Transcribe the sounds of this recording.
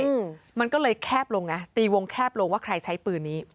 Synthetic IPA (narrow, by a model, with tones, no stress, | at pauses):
ma˧nkɔː˥˩lɤː˧jkʰɛː˥˩p̚lo˧ŋna˦˥t̪iː˧˩wo˧ŋkʰɛː˥˩p̚lo˧ŋwaː˥˩kʰɾa˧jt͡ɕʰa˦˥jpɯː˧nːiː˦˥